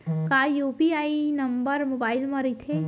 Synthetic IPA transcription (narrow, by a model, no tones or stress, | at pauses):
kaːjuːpiaːinɐmbəɾmoːbaːɪlmɐ̃ɾit̪ʰe